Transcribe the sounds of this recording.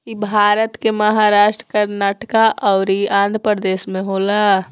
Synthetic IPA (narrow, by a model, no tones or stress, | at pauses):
kibʱaːɾət̪kemɐɦaːɾaːʃʈɾəkəɾnaːʈkaʔɔːɾiãːnd̪ʱɾəpəɾd̪eːsmẽɦoːlaː